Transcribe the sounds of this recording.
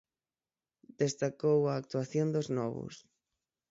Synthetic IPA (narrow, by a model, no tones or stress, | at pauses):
d̪̥est̪akowaːk̚t̪uaθjond̪oznɔβʊ̰s